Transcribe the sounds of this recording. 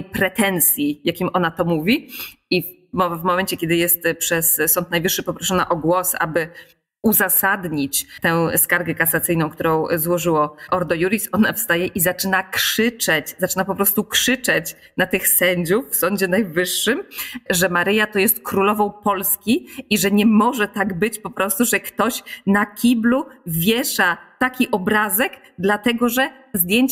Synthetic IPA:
jpɾɛt̪ɛnt̪sʲjijakʲimʔɔnat̪ɔmuvʲii | ɔvmɔmɛnɲt͡ɕɛkʲɛd̪ɘjɛst̪pʂɛssɔnt̪̚najvɘʂːɘpɔpɾɔʂɔna̰ʔɔɡwɔsa̰bɘ | uzasad̪ɲit͡ɕt̪ɛ̃w̃skaɾɡɛkasat̪sɘjnɔ̃w̃kt̪uɾɔ̃w̃zwɔʐɘwɔʔɔɾd̪ɔjuɾʲisɔnafst̪ajɛʔizat͡ʂɘnakʂɘt͡ʂɛt͡ɕzat͡ʂɘnapɔpɾɔst̪ukʂɘt͡ʂɛt͡ɕ | nat̪ɘxsɛɲd͡ʑufːsɔɲd͡ʑɛnajvɘʂːɘmʐɛmaɾɘjat̪ɔjɛst̪̚kɾulɔvɔ̃w̃pɔlskʲiiʐɛɲɛmɔʐɛt̪aɡbɘt͡ɕpɔpɾɔst̪uʐɛkt̪ɔɕnakʲibluvʲjɛʂat̪akʲiʔɔbɾazɛɡ | d̪lat̪ɛɡɔʐɛ | zd̪ʲjeɲt͡ɕ

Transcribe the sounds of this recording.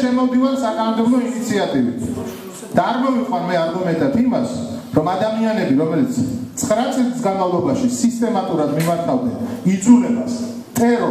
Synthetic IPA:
ʃɛmɔvd̪ivansakʼanɔmd̪ɛblˠɔinit̪sʰiat̪ʼivḭt̪ʰ | d̪̥aːɾmɔviqʼwanmɛaɾɡumɛnt̪ʼat̪ʰimasɾɔmad̪amianɛbiɾɔmɛlit̪sʰt̪sʼqʼɾat̪sʼilizɡanmavlˠɔbaʃisist̪ʼɛmat̪ʼuɾad̪mimaɾt̪ʰavd̪ɛ̰nid̪zulɛbas | t̪ʼɛɾɔ

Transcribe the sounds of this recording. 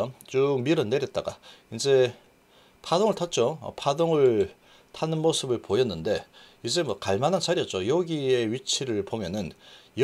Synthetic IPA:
t͡ɕumiɾʌnːe̞ɾjʌt̚t͈aɡa̰ind͡ʑe̞ | pʰadoŋɯɭtʰat̚t͡ɕ͈oʌ̰pʰadoŋɯɭ | tʰanɯnmosʰɯbɯɭpojʌnːɯnde̞ | id͡ʑe̞mwʌkaɭmanansʰaɾiʌt̚t͡ɕ͈ojʌɡie̞ɥit͡ɕʰiɾɯɭpomjʌnɯnj

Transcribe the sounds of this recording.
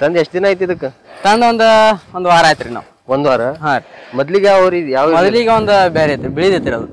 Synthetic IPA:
t̪ɐnd̪eʂʈd̪inaːjit̪id̪ɐkːet̪ɐnd̪ond̪uond̪ʋaːɾaːjt̪ɾina̰ːʋ | ond̪ʋaːɾɐɦaːɾmɔd̪liɡeɐʋɾit̪jaːʋmɔd̪liɡeond̪ubeːɾet̪ːubiɭid̪it̪ːiɾɐd̪u

